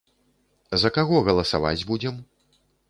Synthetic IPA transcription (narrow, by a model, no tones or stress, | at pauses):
zɐkaɣɔɣɐlˠɐsa̰va̰d͡zʲbud͡zʲɛm